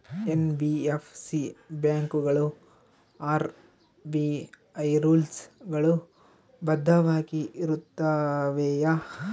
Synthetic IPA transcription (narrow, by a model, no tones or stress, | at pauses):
enbiepsibjaːŋkuɡɐɭu | aːɾ | bi | ɐjɾuːlsɡɐɭu | bɐd̪ʱːɐʋaːkiiɾut̪ːɐʋeːjɐ